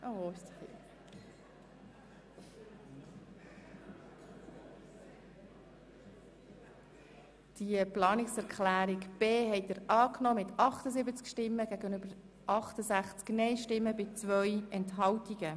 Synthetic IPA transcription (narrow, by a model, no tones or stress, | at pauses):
ʔo | d̥iəplɑːnɪksɛɾkʰlæːɾikb̥eːɦɛɪtdəɾɑːknɔmɪt̪ɑχtəzɪbət͡skʃtɪmːəɡ̥æɡənʏbəɾ | ʔɑχtəzæχt͡sknɛɪʃtɪmːəbɪt͡svʋœjɛntɦɑwtiɡə